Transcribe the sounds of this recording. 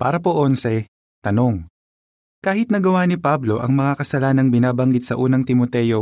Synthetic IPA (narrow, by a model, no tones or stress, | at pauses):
pa̰ːɾɐpoʔo̞nsɛ | t̪ɐno̞ŋ | kaːhɪt̪̚nɐɡɐwanɪpablo̞ʔɐŋmɐŋakɐsɐlaːnɐŋbɪnaːbɐŋɡɪd̪̚sɐʔuːnɐŋt̪ɪmot̪ɛjo̞